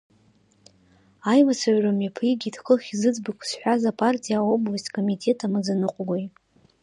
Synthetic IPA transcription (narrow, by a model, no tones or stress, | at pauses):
ajmat͡sʰaʕramapʰiɡʲidʰkʰɨχʲizɨd͡zbɨkʷʰsħʷᶣazapʰʼartʲʼʰijao̞blastʲkʼo̞mitʰe̞tʰamɨzanɨqʷʼɡʷoj